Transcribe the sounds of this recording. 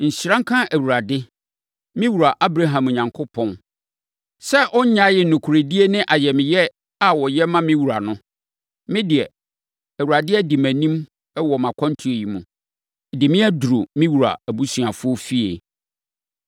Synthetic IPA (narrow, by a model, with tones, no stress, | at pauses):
n̩˨ɕi˨ɾã˦ŋ̩˦kʰã˦ʔæ˨wu˨ɾa˨dɪ˦ | mɪ̃˦wu˨ɾa˨ʔa˦bɾa˦ɦã˨mɔ˨ɲã˨ŋkʰʊ˦pʰɔ̃˦n | sɛ˦ʔɔ˦ɲ˦ɲã˦jɪ˨nʊ̃˨kʰu˨ɾe˨di˦e˦nɪ̃˦ʔa˨jɛ˨mɪ̃˨jɛ˦ | a˨wɔ˨jɛ˦mã˦mɪ̃˦wu˨ɾa˨nʊ̃˦ | mɪ̃˦dɪ˨ɛ˨ | æ˨wa˨dɪ˦ɛ˦dɪ˨mæ̃˨nĩ˦m | ɛ˦wɔ˨mã˨kʰɔ̃˦n˦tʰu˦e˨ji˨mṵ̃˨ | dɪ˨mɪ̃˦æ˦du˨ɾo˨mĩ˦wu˨ɾa̰˨æ˨bu˦sɥa˨fʊ˦ɔ˦fi˦ḛ˨